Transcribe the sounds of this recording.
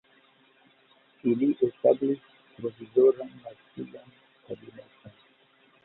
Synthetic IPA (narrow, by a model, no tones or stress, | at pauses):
iliʔest̪abliʃ | pɾovizoɾanmasilan | kabinat̪a